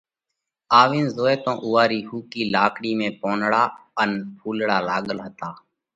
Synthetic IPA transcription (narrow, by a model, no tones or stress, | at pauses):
aːʋiːnzoːeːt̪õːʔʊːaːɾiːhuːkiːlaːkɽiːmẽːpoːnɽaːənpʰuːlɽaːlaːɠəlɦət̪aː